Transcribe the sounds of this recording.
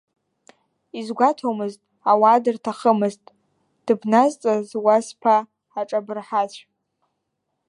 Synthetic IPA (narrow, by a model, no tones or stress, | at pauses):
izɡʷatʰomɨztʼ | awaːdɨrtʰaχəmɨztʼ | d̥ɨbnazt͡sʼazwaspʰaː | ʈ͡ʂʼabɨrħat͡ɕʷʰ